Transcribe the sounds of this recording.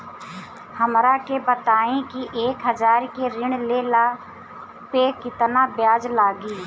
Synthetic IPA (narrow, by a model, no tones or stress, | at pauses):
həmɾakebət̪aːẽkiʔeːkɦəd͡ʒaːɾkeɾɪɳ̃leːla | peːkɪt̪nabjaːd͡ʒlaːɡiː